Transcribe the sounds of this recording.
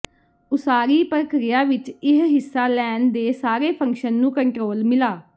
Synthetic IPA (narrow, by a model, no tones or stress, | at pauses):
ʊsaːɾiːpəɾkɾɪjaːʋɪt͡ʃɪɦɦɪsːaːlɛːnd̪eːsaːɾeːpʰə̃ŋkʃənːũːkəɳʈɾoːlmɪlaː